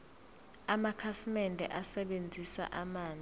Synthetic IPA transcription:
amakʰasimɛndʱɛ̰ʔasɛɓend͡zʱisa̰ʔamaːnd͡zi

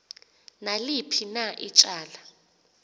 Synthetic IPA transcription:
nalipʰinaʔit͡ʃʼaːla

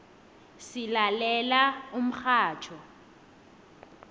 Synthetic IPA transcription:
sɪlalɛlaʊm̩k͡xʰaːt͡ʃʰɔ

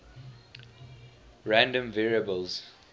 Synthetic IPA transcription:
ɹæ̃ndə̃mvɛɹiəbəlz̥

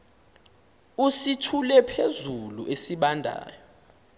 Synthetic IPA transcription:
usitʰulɛpʰezuluʔesiɓandʱa̰ːjɔ

